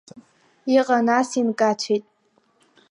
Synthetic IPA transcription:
iqʼanasinkʼat͡ʃʷʰitʼ

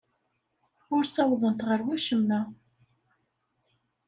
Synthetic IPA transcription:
ʊɾsɑwðˤənt̪ʁəɾwæʃəmːæ

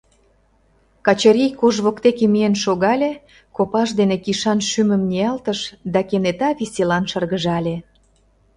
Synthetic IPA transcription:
kɑt͡ɕəɾijkoʒβokt̪ekemienʃoɣɑlʲe | kopɑʃd̪enekiʃɑnʃymə̆mnʲeɑlt̪əʃd̪ɑkenet̪ɑβisʲelɑnʃərɣəʒɑlʲe

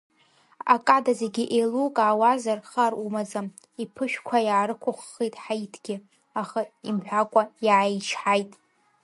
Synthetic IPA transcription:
a̰kʼadaze̞ɡʲɪʔelukʼaːwazarχarumazam | ipʰɨʃᶣkʷʰajaːɾɨkʷʰʊχːejtʼħajtʰɡʲɪ | aχaimħʷᶣakʷʼajaːjt͡ʃʰħajtʼ

